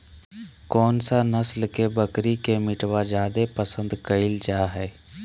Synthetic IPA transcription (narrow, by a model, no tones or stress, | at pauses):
kɔːnsanəslkebəkɾikemɪʈwad͡ʒaːd̪epəsə̃nd̪kəɪld͡ʒaːɦɛː